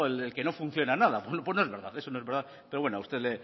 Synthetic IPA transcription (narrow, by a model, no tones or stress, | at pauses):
elelke̞no̞fun̟θjo̞nanaðaponopwonoeβeɾða̰ðe̞sonoe̞zβeɾða | pe̞ɾo̞βwenoaust̪e̞ðle